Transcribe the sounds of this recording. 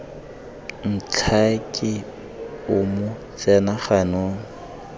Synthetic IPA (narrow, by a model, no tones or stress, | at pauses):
n̩t͡ɬʰakʼɪ | ʊmʊ | t͡sɛnaχanoːŋ̩